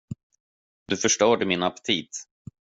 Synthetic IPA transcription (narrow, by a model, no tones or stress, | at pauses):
d̪̥ɵfœʂʈœːɖɛmɪnapt̪ʰiːt̪